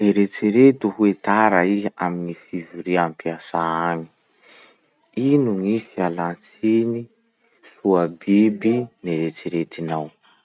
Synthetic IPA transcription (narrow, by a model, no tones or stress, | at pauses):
eɾet͡siɾet̪uɦuet̪aɾaia̰minifivuɾiampiasaani̥ | inuŋifialant͡sini | suabibineɾet͡siɾet̪inaw